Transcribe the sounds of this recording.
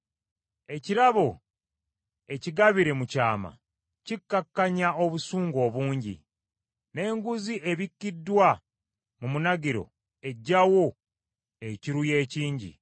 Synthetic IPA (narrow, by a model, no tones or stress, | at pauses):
e̞ciɾaβo̞ | e̞ciɡaβiɾe̞mucaːma̰ | cikːakːaɲao̞βusuːŋɡo̞ːβuːɲɟḭ | ne̞ːŋɡuziʔe̞βikːidːwa | mumunaɡiɾo̞̰ | e̞ɟːawo̞ | e̞ciɾuje̞ːciːɲɟḭ